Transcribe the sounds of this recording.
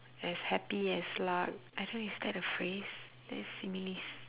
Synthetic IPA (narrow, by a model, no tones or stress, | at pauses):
ɛshɛpiɛslaɪk̚aɪtõisdɛtəfɹes | dɛ̰tsĩmilis